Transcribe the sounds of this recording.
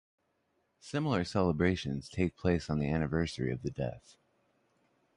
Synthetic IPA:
sɪ̃ml̩ˠə˞sɛlˠəbɹeɪʃɨ̃nz̥tʰeɪk̚pʰl̥eɪsn̩ðiæñɨvɜ˞sə˞ḭʌvðɨdɛ̰θ

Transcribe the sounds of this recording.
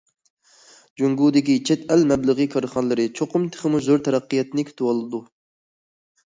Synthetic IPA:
d͡ʒoŋɡuːd̪ɪkʲit͡ʃʰɛt̪ɛlmɛblˠɨʁɨkʰɑɾχɑnlˠɨɾɨt͡ʃʰoqʊmt̪ʰɨ̥χɨmuzoɾt̪ʰɛɾɑqːijɛt̪nɨkʲʰy̥t̪ʰɪwɑlˠɨd̪u

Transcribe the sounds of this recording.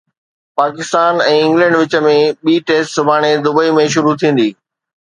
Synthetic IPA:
paːkɪst̪aːnɛ̃ːɪ̃ŋɡlɛ̃ɳɖʋɪt͡ɕə̆mẽɓiːʈeːsʈsʊbʱaːɽ̃ed̪ʊbəimẽʃʊɾut̪ʰĩːn̆d̪iː

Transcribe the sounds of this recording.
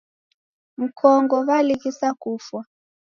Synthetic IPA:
m̩kʰɔŋɡɔβalikisakufwa

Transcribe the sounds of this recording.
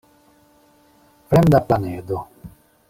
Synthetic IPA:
pɾɛnd̪aplaneːd̪o

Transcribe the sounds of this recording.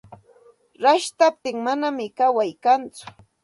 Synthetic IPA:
ɾaʃt̪ap̚t̪ɪŋmanamɪkawajkant͡sʊ̥

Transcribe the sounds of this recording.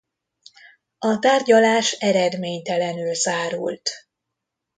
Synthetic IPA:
ɒt̪aːrɟɒlaːʃɛɾɛd̪meːɲt̪ɛlɛnylzaːɾṵlt̪

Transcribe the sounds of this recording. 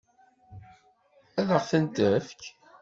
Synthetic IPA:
æðəʁθənt̪əfk

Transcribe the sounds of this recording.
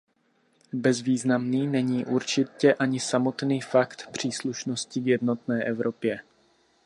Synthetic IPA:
bɛzviːznamniːnɛɲiːʔuɾt͡ʃɪcɛʔaɲɪsamo̞t̪niːfakt̪pr̝̥iːsluʃno̞scɪvjɛdno̞t̪nɛːʔɛvɾʔo̞pjɛ

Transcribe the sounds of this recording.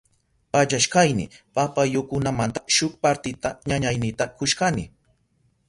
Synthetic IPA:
pat͡ʃaʃkajnɪ̰papajokʊnamant̪ḁʃʊkpaɾt̪ɪt̪aɲaɲajnɪt̪akʊʃkanɪ

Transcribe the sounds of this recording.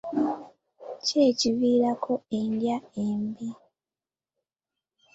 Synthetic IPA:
ce̞ːciβiːɾakʰo̞e̞ndjaembi

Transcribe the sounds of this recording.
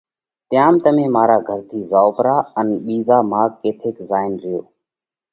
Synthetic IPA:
t̪ɪjaːmt̪əmẽːmaːɾaːɡʱəɾt̪ʰiːzaːoːpɾaːənɓiːzaːmaːkkeːt̪ʰeːkzaːɪnɾɪjoː

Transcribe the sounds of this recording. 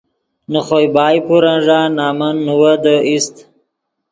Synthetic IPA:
nəχojbɑːjpuɾanʐanɑːmanːuwəd̪əist̪

